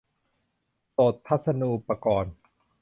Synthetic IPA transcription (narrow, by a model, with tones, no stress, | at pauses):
so˨˩t̪̚ʰːa˦˥t̪̚sa˧nuː˧pa˧kɔː˨˩n